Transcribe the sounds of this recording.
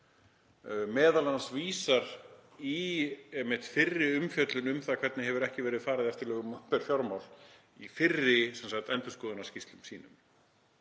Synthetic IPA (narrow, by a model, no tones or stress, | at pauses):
mɛːðalanasviːsaɾiɛmːɪht̪fɪrːɪʏmfjœt̪lʏnʏmθakʰvɛɾt̪nɪɦɛvʏɾɛhcɪvɛːɾɪðfaːɾɪðɛft̪ɪlɛːɣʏmampɛɾ̥fjaɾmawl | ifɪrːɪsansaxt̪ɛnt̪ʏ̥skɔːðʏnḁscist̪lʏmsiːnʏ̰m